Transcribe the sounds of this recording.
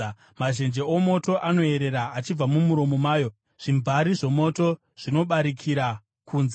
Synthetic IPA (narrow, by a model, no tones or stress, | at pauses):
maʒe̞nd͡ʒe̞omo̞to̞ʔano̞e̞ɾeɾaːt͡ʃib͡vamumuɾo̞mo̞maːjo̞ | ʐ̥imvʱaɾiʐo̞mo̞to | ʐ̥ino̞ɓaɾikʰiɾa | kuːnze